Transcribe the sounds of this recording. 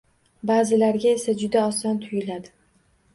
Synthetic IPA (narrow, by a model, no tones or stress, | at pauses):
baːzɪlaɾɡʲae̞sad͡ʒʊd̪aɒsɒnt̪ʰʊjɪlad̪ɪ